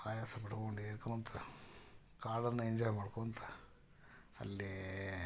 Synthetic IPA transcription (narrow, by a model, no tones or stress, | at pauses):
aːjaːsɐpɐɽukoɳɖeːɾkɐmɐnt̪ʰɐ | kaːɽɐnːɐiɲd͡ʒɔːjmaːɽkoɐnt̪ʰɐ̥ | ɐ̰lːi